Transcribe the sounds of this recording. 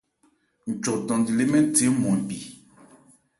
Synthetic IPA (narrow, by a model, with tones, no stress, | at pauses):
n̩˨t͡ʃɔ˨dɔ̃˨ndi˨le˦mɛ˦n˦te˨˦mɔ˨m˨pi˨